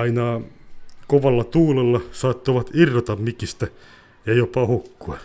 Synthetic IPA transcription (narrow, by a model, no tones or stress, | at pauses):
ɑinɑː | koʋɑlːɑt̪uːlelːɑsɑt̪ːoʋɑt̪irːot̪ɑmmikist̪æ | jɑjopɑhokːuɑ